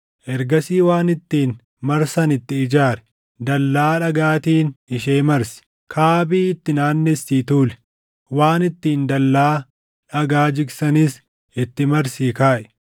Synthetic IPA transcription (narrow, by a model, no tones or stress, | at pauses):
ʔɛɾɡɐsiːwaːnɪt̪ːiːn | mɐɾsɐnɪt̪ːɪɪd͡ʒaːɾɛ̥ | d̪ɐlːaːᶑɐɡaːt̪iːnɪʃeːmɐɾsɪ̥ | kʰaːbiːɪt̪ːɪnaːnːɛsːiːt̪uːlɛ̥ | waːnɪt̪ːiːnd̪ɐlːaː | ᶑɐɡaːd͡ʒɪɡsɐnɪs | ɪt̪ːɪmɐɾsiːkaːʔɛ̥